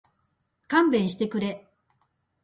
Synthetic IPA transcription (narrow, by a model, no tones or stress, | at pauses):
kãmbẽ̞ɰ̃ɕi̥t̪e̞kɯ̟ɾe̞